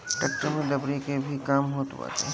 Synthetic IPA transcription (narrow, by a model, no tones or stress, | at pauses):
ʈɐk̚ʈəɾmẽd̪ɐbɾikebʱikaːmɦoːt̪ṵa̰ːte